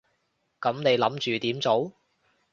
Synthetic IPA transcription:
kɐ˨˥mne˨˧jlɐ˨˥mt͡ʃyː˨t̪iː˨˥mt͡so˨˥w

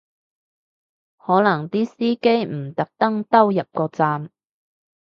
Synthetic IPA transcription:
hɔː˨˥nɐ˨˩ŋt̪iː˥siː˥ke˥jm̩˨˩t̪ɐ˨˥k̚t̪ɐ˥ŋt̪ɐ˥wjɐ˨p̚kɔː˧t͡saː˧m

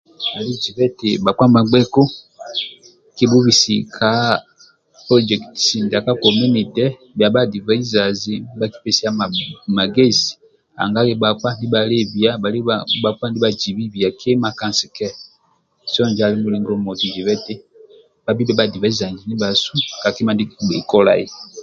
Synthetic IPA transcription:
a˨li˦d͡ʒi˨vɛ˦ti˨ba˨kwa˦ma˨ɡ͡bɛ˦kɔ˦ | ki˦bu˦βi˨si˨kʰa˨˦ | pɔ˦d͡ʒɛ˨ktsi˨nda˨ka˦kɔ˨mu˦ni˨tɛ˦ | bja˨ba˦di˨va˨˦i˦za˨zi˦ba˦ki̥˦pɛ˨si˦a˦˨ma˨ɡe˦zi̥˨ | a̰˨ŋɡa˦li˦ba˨kwa˦ndi˦ba˨le˦bi˨a˦a˨li˦ba˨kwa˦n˦di˦ba˨d͡ʒi˨βi˦bi˨a˨kʰe˦ma˨kã˦˨nsi˨kɛ˦ | sɔ˦˨nd͡ʒa˨li˦mu˦li˨˦ŋɡɔ˦mɔ˨ti˨d͡ʒi˨βɛ˦te˦ | ba˦bi˦bɛ˦ba˨di˨va˨i˦za˨ɲd͡ʒi˨ni˦ba˨su˦ka˨ki˦ma˨ndi˦ḭ˨kɔ˦la̰˨ḭ˨

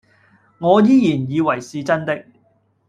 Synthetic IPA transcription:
ŋɔː˨˧jiː˥jiː˨˩njiː˨˧wɐ˨˩jsiː˨˧t͡sɐ˥nt̪ɪ˥k̚

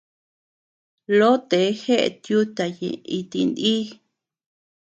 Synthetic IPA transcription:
lo˦t̪e˨˦xe˦ʔḛ˧˨t̪ju˦t̪a˨jḛ̃˨i˧t̪i˧nd̪i˦

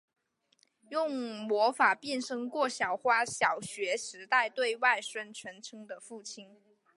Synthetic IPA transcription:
jʊ˥˩ŋmwɔ˧˥fa˨˩pjɛ˥˩nʂɤ˥ŋkwɔ˥˩ɕjɑ˨˩ʊxwa˥ɕjɑ˨˩ʊɕɥɛ˧˥ʂɻ̩˧˥t̪a˥˧ɪt̪we˥˧ɪwa˥˩ɪʂwə˥nʈ͡ʂʰɥə˧˥nʈ͡ʂʰɤ˥ŋd̪ə˨fu˥˩t͡ɕʰi˥n

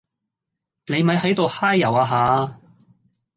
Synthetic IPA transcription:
ne˨˧jmɐ˨˥jɦɐ˨˥jt̪o˨whaː˥jːɐ˨˩waː˧ɦaː˨˧

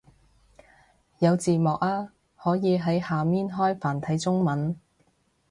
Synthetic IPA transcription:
jɐ˨˧wt͡siː˨mɔː˨k̚aː˧ | hɔː˨˥jiː˨˧ɦɐ˨˥jhaː˨miː˥nɦɔː˥jfaː˨˩nt̪ʰɐ˨˧˥jt͡sʊ˥ŋmɐ˨˥n

